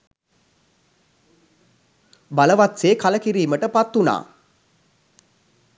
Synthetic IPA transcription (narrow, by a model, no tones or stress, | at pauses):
baləʋat̪seːkaləkiɾiːməʈəpat̪ːuna̰ː